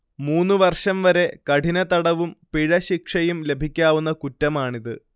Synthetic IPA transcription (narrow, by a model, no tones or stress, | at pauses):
muːnːɨʋɐrʂɐmʋɐɾe̞kɐʈinɐt̪ɐɽɐʋumpiɻɐɕikʂɐjumle̞bʱikʲːaːʋunːɐkutːɐmaːɳiðɨ